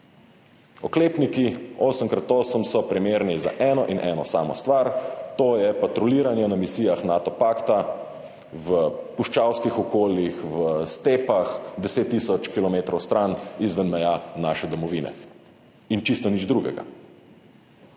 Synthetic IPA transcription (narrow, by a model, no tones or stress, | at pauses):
ɔkleːpnikioːsəmkɾat̪oːsəmsɔpɾimeːɾniza̰ʔɛːnɔʔinʔɛ̰ːnɔsaːmɔ̰st̪ʋaɾt̪oːjɛpat̪ɾɔliːɾanjɛnamisiːjaxnaːt̪ɔpakt̪a | ʋəpuʃt͡ʃawskixɔkoːljixʋəst̪eːpaxd̪ɛseːt̪ːiːsɔt͡ʃkilɔmeːt̪ɾɔwst̪ɾanizʋənmɛjaːnaʃɛd̪ɔmɔʋiːnɛ̰ | int͡ʃist̪ɔnid͡ʒd̪ɾuɡɛ̰ɡa̰